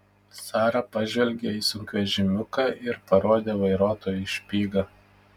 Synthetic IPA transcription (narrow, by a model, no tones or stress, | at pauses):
sɑːɾɐpɐʒʲʋʲɛlʲɡʲeiːsʊŋʲkʲɛʒʲɪmʲʊkɑːʔɪɾpɐɾoɔd̪ʲeːʋɐɪɾoːt̪oːjʊʃʲpʲiːɡɐ